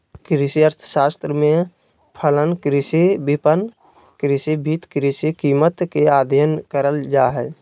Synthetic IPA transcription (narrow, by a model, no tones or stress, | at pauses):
kɾɪsiəɾt̪ʰʃaːst̪ɾəmẽ | pʰələnkɾɪsibɪpən | kɾɪsibʱiːt̪kɾɪsikiːmət̪keaːd̪ʱjənkəɾəld͡ʒaːɦɛː